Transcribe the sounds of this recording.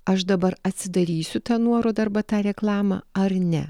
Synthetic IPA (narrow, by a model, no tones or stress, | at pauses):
ɐʃd̪ɐbɐɾɐt̪ʲsʲɪd̪ɐɾʲiːsʲʊt̪ɑːnuɔɾoːd̪ɐɾbɑt̪ɑːɾʲɛklˠɑːmɑ̰ːɐɾnʲɛ̰